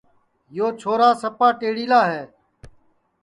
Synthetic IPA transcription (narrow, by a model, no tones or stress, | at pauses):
joːt͡ʃʰoːɾaːsəpaːʈeːɽiːlaːɦɛː